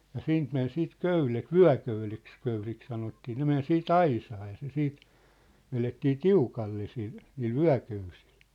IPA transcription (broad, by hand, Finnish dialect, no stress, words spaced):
jɑ siːnt men siːt køylet ʋyæ̝køyleks køylik sɑnotːiː ne men siːt ɑisɑː jɑ se siːt ʋeletːiː tiukɑlːe sil niːl ʋyæ̝køysi̥l̥